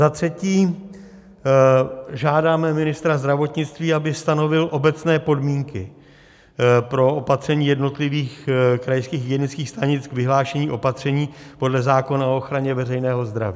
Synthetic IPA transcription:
zat̪r̝̥ɛciː | ʒaːdaːmɛmɪnɪst̪ɾazd̪ɾavo̞t̪ɲɪt͡st̪viːabɪst̪ano̞vɪlʔo̞bɛtt͡snɛːpo̞dmiːŋkɪ | pɾo̞opat̪r̥ɛɲiːjɛdno̞t̪lɪviːxkɾajskiːxɡɛnɪt͡skiːxst̪aɲɪt͡sɡvɪɦlaːʃɛɲiːʔo̞pat̪r̝̥ɛɲiː | po̞dlɛzaːko̞naooxɾaɲɛvɛrɛjnɛːɦo̞zd̪ɾa̰viː

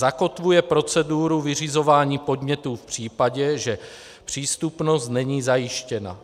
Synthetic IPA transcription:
zako̞t̪vujɛpɾo̞t͡sɛduːɾuvɪr̝ɪzo̞vaːɲiːpo̞dɲɛt̪uːfpr̝̥iːpaɟɛʒɛ | pr̝̥iːst̪upno̞st̪nɛɲiːzajɪʃcɛna̰

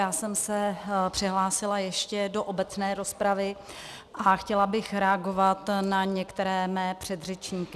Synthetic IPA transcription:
jaːsɛmsɛpr̥ɪɦlaːsɪlajɛʃcɛdo̞ʔobɛt͡snɛːɾo̞spɾavɪ | ʔaxcɛlabɪxɾɛaɡo̞vat̪naɲɛkt̪ɛɾɛːmɛːpr̝̥ɛd̪r̝ɛt͡ʃɲiːkɪ

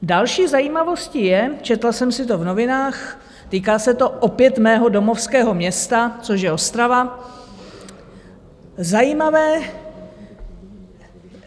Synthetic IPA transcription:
dalʃiːzajiːmavo̞scɪjɛt͡ʃɛt̪lasɛmsɪt̪o̞vno̞vɪnaːx | t̪iːkaːsɛt̪o̞ʔopjɛt̪mɛːɦo̞do̞mo̞fskɛːɦo̞mɲɛst̪at͡soʃ̬jɛost̪ɾava | zajiːmavɛː

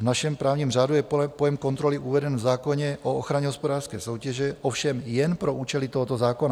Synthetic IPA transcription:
vnaʃɛmpɾaːʊɲimrad̪ujɛpɔjɛmkɔnt̪ɾɔliʔuʋɛd̪ɛnvzaːkɔɲɛʔɔɔxɾaɲɛɦɔspɔd̪aːɾskɛ̰jsɔʊcɛʒɛɔfʃɛmjɛnpɾɔʔuːt͡ʃɛlit̪ɔɦɔt̪ɔzaːkɔna

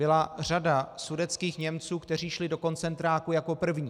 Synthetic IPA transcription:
bɪlaradasudɛt̪t͡skiːxɲɛmt͡suːkt̪ɛriːʃlɪdo̞ko̞nt͡sɛnt̪ɾaːkujako̞pr̩vɲiː

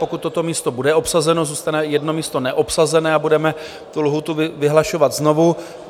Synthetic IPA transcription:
pokut̪ːo̞t̪o̞miːst̪o̞budɛo̞psazɛno̞zuːst̪anɛjɛdno̞miːst̪o̞nɛʔopsazɛnɛːabudɛmɛ | t̪ulɦut̪uvɪvɪɦlaʃo̞vat̪zno̞vu

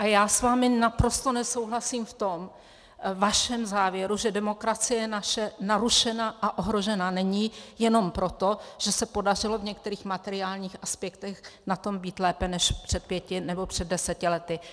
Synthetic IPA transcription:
ʔajaːsvaːmɪnapɾo̞st̪o̞nɛso̞wɦlasimft̪o̞m | vaʃɛmzaːvjɛɾuʒɛdɛmo̞kɾat͡sɪjɛɛnaʃɛnaɾuʃɛnaʔaʔo̞ɦɾo̞ʒɛnanɛɲijɛno̞mpɾo̞t̪o̞ʒ̥ɛsɛpo̞darɪlo̞vɲɛk̚t̪ɛɾiːxmat̪ɛɾɪaːlɲiːxʔaspjɛkt̪ɛxnat̪o̞mbiːt̪lɛːpɛnɛʃpr̥ɛt̪̚pjɛcɪnɛbo̞pr̝̥ɛd̚dːɛsɛcɪlɛt̪ɪ

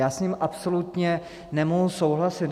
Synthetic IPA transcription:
aːsɲiːmʔapso̞lut̪ɲɛ | nɛmoɦusowɦlasɪt̪

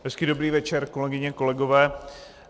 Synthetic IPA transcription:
ɦɛskiːdo̞bɾiːvɛt͡ʃɛɾko̞lɛɡɪɲɛko̞lɛɡovɛː

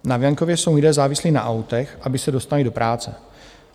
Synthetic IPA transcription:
navjaŋkovjɛso̞wlidɛːzaːvɪsliːna̰ʔawt̪ɛxʔabɪsɛdo̞st̪alido̞pɾʔaːt͡sɛ̰

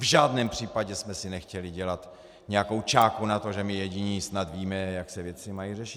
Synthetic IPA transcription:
vʒaːdnɛːmpr̝̥iːpaɟɛsmɛsɪnɛxcɛlɪɟɛlat̪ | ɲɛjako̞wt͡ʃaːkunat̪o̞ʒɛmɪjɛɟiɲiːsnat̪viːmɛjaksɛvjɛt͡sɪmajirɛʃɪt̪

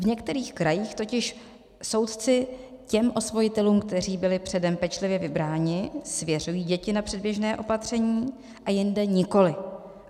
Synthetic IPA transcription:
vɲɛkt̪ɛɾiːxkɾajiːxt̪o̞cɪʃ | so̞wt̪t͡sɪ | cɛmʔo̞svo̞jɪt̪ɛluːmkt̪ɛr̝iːbɪlɪpr̝̥ɛdɛmpɛt͡ʃlɪvjɛvɪbɾaːɲɪsvjɛr̝ujiːɟɛcɪnapr̝̥ɛd̚bjɛʒnɛːʔo̞pat̪r̝̥ɛɲiː | ʔajɪndɛɲɪko̞lɪ

